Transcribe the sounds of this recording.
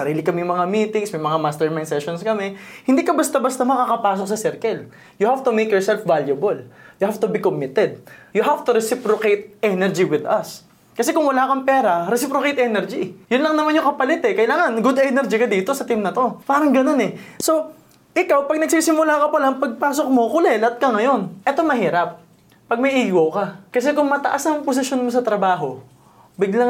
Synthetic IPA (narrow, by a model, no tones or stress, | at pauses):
sɐɾiːlɪkɐmɛjŋmɐŋamiːt̪ɪŋsmɐjmɐŋamast̪ɛɹmajnsɛʃonskɐmɛhɪnd̪iːkɐbɐst̪abɐst̪amɐkakɐpaːsok̚sɐsɛɾkɐl | jʊhaft̪ʊmejkjɔɹsɛlfvaljɐbɐljʊhaft̪ʊbikomɪt̪ɛd̪̚jʊɦaft̪ʊɾɛsɪpɾokejt̪̚ʔɛnɛɹd͡ʒiwɪd̪ɐs | kɐsɛkʊŋwɐlaːkɐŋpɛːɾɐɾɛsɪpɾokejt̪ʔɛnɛɹd͡ʒijʊnlɐŋnɐmanjʊŋkɐpɐlɛt̪ɛkɐjlaːŋɐnɡʊd̪ɛnɛɾd͡ʒikɐd̪iːt̪o̞sɐt̪imnɐt̪o̞paːɾɐŋɡɐno̞nɛso̞ | ʔɪkawpɐɡ̚nɐɡ̚siːsɪmʊlaːkɐpɐlɐŋpɐɡ̚paːsok̚mo̞kʊlɛlɐt̪̚kɐŋɐjo̞nʔɛt̪o̞mɐɦiːɾɐp̚ː | ɐɡ̚mɐjʔiːwokɐkɐs̬ɛkʊŋmɐt̪ɐʔasnɐŋpos̬ɪʃo̞nmosɐt̪ɾɐbaːɦo̞ | bɪɡlaŋ